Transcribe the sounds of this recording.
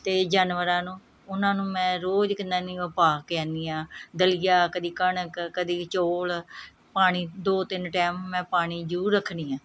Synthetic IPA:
t̪eːd͡ʒaːnʋəɾãːnũː | ʊnãːnũːmɛ̃ːɾoːd͡ʒkɪnd̪aːnĩːʋəpaːkɛ̃ːnd̪iːãːd̪əlɪjaːkəd̪iːkəɳəkkəd̪iːt͡ʃoːl | paːɽ̃iːd̪oːt̪ɪnʈɛːmːɛ̃ːpaːɽ̃iːd͡ʒuːɾəkʰːniːãː

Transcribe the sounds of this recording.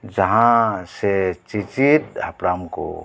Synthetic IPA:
d͡ʒɐɦãset͡ʃit͡ʃit̪apɾaːmko̰

